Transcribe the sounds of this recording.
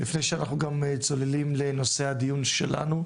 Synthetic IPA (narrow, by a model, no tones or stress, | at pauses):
lifnejʃeanaχnuɡamt͡so̞lelimle̞no̞se̞had̪ijunʃḛla̰nu